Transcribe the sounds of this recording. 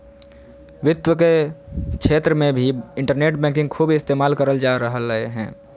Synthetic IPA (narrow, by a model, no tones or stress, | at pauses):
ʋɪt̪wəkekʰeːt̪ɾəmẽbʱiɪ̃ɳʈəɾneːʈ̚bɛ̃ːkɪ̃ŋɡ̚kʰuːbɪst̪eːmaːlkəɾəld͡ʒaɾəɦələḛɦɛ̰̃ː